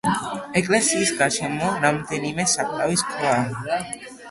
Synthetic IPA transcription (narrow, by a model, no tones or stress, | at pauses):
ekʼlesiskaʃemonamt̪enimesap̚t̪awiskʰla